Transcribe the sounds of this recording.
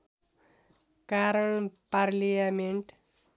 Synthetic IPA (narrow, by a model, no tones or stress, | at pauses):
kaɾəɳpaɾlijameɳʈ